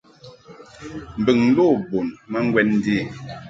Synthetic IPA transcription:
m̩˨bə˨ŋn̩˦lo˦˨bo˨nma˦ŋ˦ɡwɛ˦n˦diː˦˨

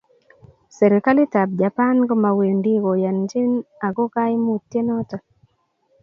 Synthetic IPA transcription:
sɛ˨ɾi˨ka˦li˦ta˨b̚d͡ʒa˨pa˦nɡɔ˦ma˨we˨ndi˦ɣo˨ja˨nd͡ʒi˦na˨ɡɔ˦ka˦jmu˨tːje˦nɔ˦tɔ˨

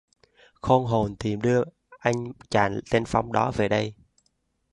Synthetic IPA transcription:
xo˧nɦo˨˩nt̪i˨˩mɗɨ˧ə | ʔa˧jŋ̟t͡ɕa̰ː˧˩nt̪e˧nfa˨˦wŋ͡mɗɔ˨˦ve˨˩ɗə˧j

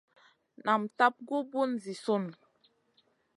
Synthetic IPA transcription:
na˨mta˦p̚ɡu˦bu˦nzi˨so˦˨n

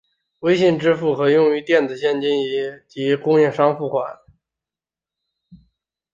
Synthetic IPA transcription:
we˥ɪɕi˥˩nʈ͡ʂɻ̩˥fu˥˩xɤ˧˥jʊ˥˩˧ŋy˧˥t̪jɛ˥˩nd͡zɹ̩˨˩ɕjɛ˥˩nt͡ɕi˥ni˧˥t͡ɕi˧˥kʊ˥ŋjɛ˥˩ŋʂɑ˥ŋfu˥˩xwa˧˩˥n

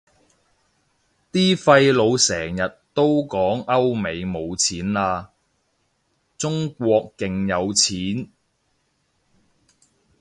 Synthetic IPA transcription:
t̪iː˥fɐ˧jlo˨˧wsɛː˨˩ŋjɐ˨tt̪o˥wkɔː˨˥ŋɐ˥wme˨˧jmo˨˧wt͡sʰiː˨˥naː˧ | t͡sʊ˥ŋkʷɔː˧kːɪ˨ŋjɐ˨˧wt͡sʰiː˨˥n

